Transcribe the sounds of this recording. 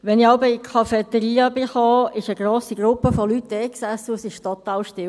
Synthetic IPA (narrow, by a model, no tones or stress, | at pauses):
ʋɛnɪɑʊbəɪkʰɑfɛt̪əɾiːəbɪχoːɪʃəɡ̥ɾoːsiɡ̥ɾʊpːəfɔlytdɛːksæsːəʊsɪʃtot̪ɑːlʃtɪ